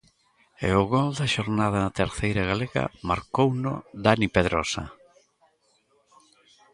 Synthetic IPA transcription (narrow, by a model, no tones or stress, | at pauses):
ḛʊɣɔld̪ɐʃoɾnað̞ɐnat̪eɾθejɾaɣaleɣɐ̰maɾkownʊ̰d̪anipeðɾɔsa̰